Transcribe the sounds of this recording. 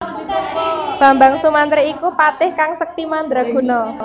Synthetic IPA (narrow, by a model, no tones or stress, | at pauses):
b̥a̤mbaŋsumant̪ɾeikupat̪ɪhkaŋsək̚t̪imand̪ɾaɡ̥ṳnɔ